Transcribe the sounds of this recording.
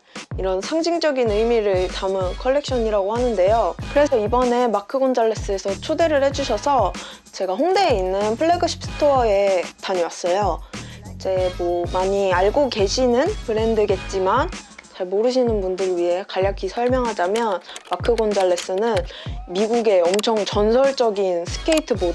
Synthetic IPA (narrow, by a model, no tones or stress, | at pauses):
iɾʌnsʰaŋd͡ʑiŋd͡ʑʌɡinɯjmiɾɯɭtamɯkʰʌɭːe̞k̚ɕ͈ʌɲiɾaɡohanɯnde̞jokɯɾe̞sʰʌibʌne̞makʰɯɡond͡ʑaɭːe̞s͈ɯe̞sʰʌt͡ɕʰode̞ɾɯɭhe̞d͡ʑuɕʰʌsʰʌ | t͡ɕe̞ɡaɸoŋde̞ːinːɯnpʰɯɭːeɡɯɕʰi̥p̚s͈ʰɯ̥tʰoʌe̞taɲʌwas͈ʌjo | d͡ʑe̞mʌmaɲiaɭɡoke̞ɕʰinɯnpɯɾe̞ndɯɡe̞t̚t͡ɕ͈imant͡ɕaɭmoɾɯɕ̬ʰinɯnbundɯɾɯɥiɦe̞kaʎːakʰisʰʌɭmjʌŋɦad͡ʑamjʌnmakʰɯɡond͡ʑaɭːe̞s͈ɯnɯnmiɡuɡe̞ʌmt͡ɕʰʌŋt͡ɕʌnsʰʌɭt͡ɕ͈ʌɡinsʰɯ̥kʰe̞itʰɯbo